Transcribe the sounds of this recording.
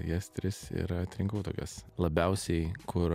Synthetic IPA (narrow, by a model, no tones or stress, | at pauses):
jɛst̪ʲɾʲɪsḭɾɐɐt̪ʲɾʲɪŋkɐʊt̪oːkʲɛslˠɐbʲɛʊsʲɛɪkʰʊɾ